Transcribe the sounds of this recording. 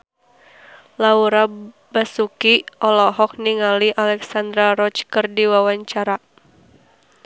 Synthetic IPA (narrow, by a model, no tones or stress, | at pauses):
lauɾa | basukiʔɔlɔɦɔk̚niŋaliʔalɛksand̪ɾaɾɔt͡ʃkɨrdiwawaɲt͡ʃaɾa